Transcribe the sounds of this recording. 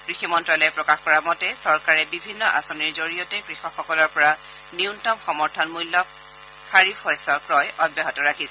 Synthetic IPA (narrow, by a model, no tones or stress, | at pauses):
kɹiximɔntɹalɔjpɹɔkaxkɔɹamɔtɛsɔɹkaɹɛbibʱinːɔʔa̰sɔniɹzoɹijɔtɛkɹixɔkxɔkɔlɔɹpɔɹa | niʊntɔmxɔmɔɹtʰɔnmulːɔk̚ | xʰaɹifɔjsɔkɹɔjʔɔbjaɦɔtɔɹakʰisɛ